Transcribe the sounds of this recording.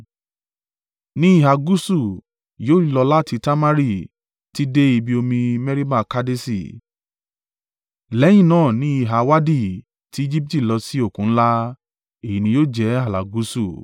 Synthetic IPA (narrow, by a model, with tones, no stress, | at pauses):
nĩ˦i˦˨ɦa˧ɡu˦su˦˨ | joː˦lɔ˧la˦tʰi˧ta˦ma˦ɾi˦˨ | ti˦de˦i˧bi˧˦o˧mĩ˧mɛ˦ɾi˦ma˦˨ka˦de˦sḭ˦˨ | lɛ˨˦j̃ĩ˦˨nãː˦˨nĩ˨˦i˦˨ɦa˧wa˦di˦˨ | ti˨˦i˦d͡ʒi˦p̚ti˦˨lɔ˧si˦o˦˨kũ˨˦n̩˦la˦ | e˨i˨nĩ˧joː˦˨d͡ʒɛ˨˦a˦˨la̰˨ɡu˨˦su˦˨